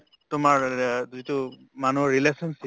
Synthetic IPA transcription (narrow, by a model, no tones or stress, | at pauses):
tʊmaɹzitu | manuɔɹilasɔnsi